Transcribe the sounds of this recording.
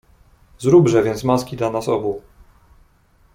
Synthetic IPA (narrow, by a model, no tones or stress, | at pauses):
zɾubʐɛvʲjɛnt̪smaskʲid̪lanasɔbu